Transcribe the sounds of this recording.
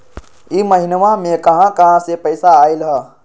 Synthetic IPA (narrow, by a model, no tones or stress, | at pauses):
iməɦinʋãmẽkəɦãkəɦãsepəɪsaːilɦə